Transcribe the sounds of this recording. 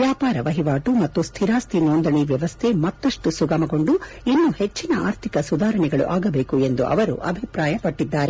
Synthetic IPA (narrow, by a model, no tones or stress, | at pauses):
ʋjaːpaːɾɐʋɐɦiʋaːʈumɐt̪ːust̪ʰiɾaːst̪ʰinoːnd̪ɐɳiʋjɐʋɐst̪ʰemɐt̪ːɐʂʈusuɡɐmɐɡo̞ɳɖu | inːuhe̞t͡ʃːinɐaːɾt̪ʰikɐsud̪ʱaːɾɐɳɛɡɐɭṵʔaːɡɐbeːkue̞nd̪ṵʔɐ̰ʋɐɾṵʔɐbʱipɾaːjɐpɐʈːid̪ːaːɾe